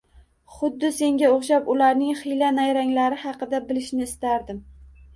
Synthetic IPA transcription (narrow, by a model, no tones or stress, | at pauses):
χʊd̪ːɪse̞ŋɡʲaoχʃapʊlaɾnɪŋχijlanajɾaŋlaɾɪhɑqɨd̪abɪlɪʃnɪːst̪aɾd̪ɪm